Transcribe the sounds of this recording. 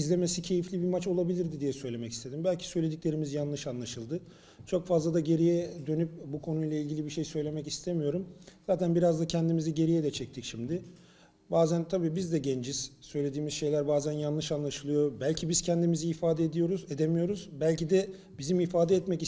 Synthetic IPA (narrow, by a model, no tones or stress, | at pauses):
izlʲe̞me̞sicʰe̞jiflʲibimat͡ʃo̞lˠabilʲiɾd̪id̪ijɛsø̞jlʲe̞mɛci̥st̪ʰe̞d̪imbælʲcʰi̥sø̞jlʲe̞d̪icʲlʲe̞ɾimizjanlˠɯʃanlˠaʃɯlˠd̪ɯ | t͡ʃʰo̞kfazlˠad̪aɟe̞ɾijɛd̪ø̞nyp̚bukʰo̞nujlˠailʲɟʲilʲibiʃe̞jsø̞jlʲe̞mɛcist̪ʰe̞mijo̞ɾumzaːt̪ʰænbiɾazd̪acʰɛnd̪imiziɟe̞ɾijɛd̪ɛt͡ʃʰɛc̚t̪ʰicʃimd̪ɪ | baːzænt̪ʰabiːbizd̪ɛɟɛnd͡ʒiz̥sø̞jlʲe̞d̪iːmiz̥ʃe̞jlʲæɾbaːzænjanˠɯʃanlˠaʃɯlˠɯjo̞bælʲcʰibiz̥cʰɛnd̪imiziːfaːd̪ɛed̪ijo̞ɾuze̞d̪emijo̞ɾuzbælʲcid̪ɛ | bizimifaːd̪ɛːt̪mɛci